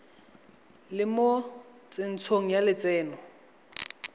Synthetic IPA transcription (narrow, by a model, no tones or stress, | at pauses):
lɪmo | t͡sʼɪn̩t͡sʰoŋ̩jalɪt͡sʼɛːnɔ